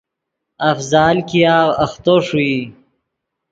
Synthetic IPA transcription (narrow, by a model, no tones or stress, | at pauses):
ɐfzaːlkijaːɣɐxt̪oʂui